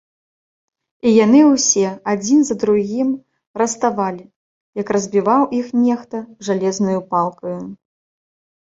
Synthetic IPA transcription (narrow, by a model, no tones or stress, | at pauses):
ijanɨwsʲɛad͡zʲinzɐd̪ɾuɣʲim | rɐst̪avalʲi | jɐkrɐzʲbʲivawʔixnʲɛxt̪ɐʐalʲɛznɐjupalˠkɐju